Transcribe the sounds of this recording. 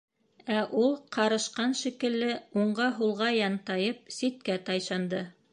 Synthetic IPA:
æʔulˠqʰɑɾɤ̆ʃqɑnʃikɘ̆lːɘuɴɢɑɦulˠʁɑjɑnt̪ɑjɤp̚sit̪̚kæt̪ɑjʃɑnd̪ɤ

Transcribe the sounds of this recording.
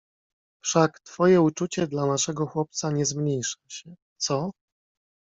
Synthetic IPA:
fʂakt̪fɔjɛut͡ʂut͡ɕɛd̪lanaʂɛɡɔxwɔp̚t̪saɲɛzmɲejʂḁɕɛ | t̪sɔ

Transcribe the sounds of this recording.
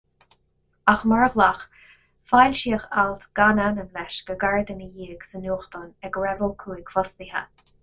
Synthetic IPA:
axmaɹəɣlax | fajlʃiːəxalt̪ɡ̥ananəmlɛʃɡ̥əɡaɹd̪ənəjiːɡ̥sənuːxt̪ɔnɛɡɹɛvəlkʰuːiɡfɔst̪ihə̰

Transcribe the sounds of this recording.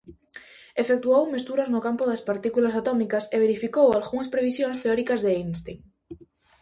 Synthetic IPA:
efek̚t̪uowmest̪uɾaznokampoðaspaɾt̪ikulasat̪omikaseβeɾifikowalɣuŋaspɾeβ̞isjonst̪eoɾikazðeinst̪iŋ

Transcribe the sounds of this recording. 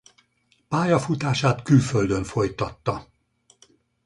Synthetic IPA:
paːjɒfut̪aːʃaːt̪kylføld̪ø̞ɱfo̞jt̪ɒt̪ːɒ

